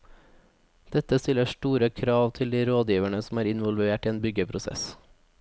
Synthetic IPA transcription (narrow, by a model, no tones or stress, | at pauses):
d̪̥ɛt̪əst̪ɪləʃʈuːɾəkʰɾɑːʋt̪ʰɪld̪iːɾoːd̪jiːʋæɳəsm̩æːɾɪnʋɔlʋeːʈiːeːnbʏɡəpʰɾʊsɛ̰s